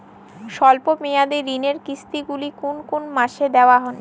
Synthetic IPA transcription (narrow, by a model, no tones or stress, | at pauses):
ʃɔlpomejad̪eɾːineɾkist̪iɡulikunkunmaʃed̪eoaɦɔn